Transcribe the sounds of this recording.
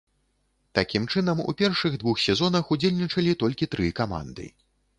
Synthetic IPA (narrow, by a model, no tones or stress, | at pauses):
t̪akʲimt͡ʂɨnɐmṵpʲɛrʂɨɣd̪vuxsʲɛzɔnɐxud͡zʲelʲnʲit͡ʂɐlʲit̪ɔlʲkʲit̪ɾɨkama̰nd̪ɨ̰